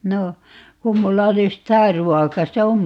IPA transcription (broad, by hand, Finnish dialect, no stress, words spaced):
no kum mulːɑ olis tæː ruɔkɑ se om